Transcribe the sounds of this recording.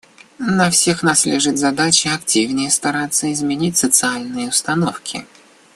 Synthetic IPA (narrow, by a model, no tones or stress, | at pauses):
nɐfsʲe̞xnaslʲɪʐɨt̪zɐd̪at͡ɕɪɐktʲivnʲɪjəst̪ɐɾat̪sːəɪzmʲɪnʲitʲsət̪sɨalʲnɨjəʊst̪ɐnofkʲɪ̰